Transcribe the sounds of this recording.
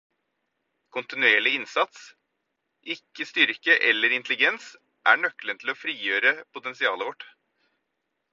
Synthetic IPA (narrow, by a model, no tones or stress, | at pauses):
kʰʊnt̪ɪnʉeːɭɪɪnsɑt̪s | ʔɪkːəst̪ʏɾkəʔɛlːəɾɪnt̪lɪɡɛns | ʔæːɳœkːlənt̪ʰl̩oːfɾiːjøːɾəpʊt̪ɛnsɪɑːləʋɔʈ